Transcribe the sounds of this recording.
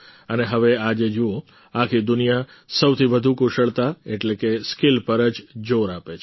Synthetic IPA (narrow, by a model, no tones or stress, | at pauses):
əneɦəʋead͡ʒed͡ʒuo | akʰid̪ʊnija | səwt̪ʰibəd̪ʱukuʃəɭt̪aeʈlekeskilpəɾəd͡ʒd͡ʒoɾapet͡ʃʰ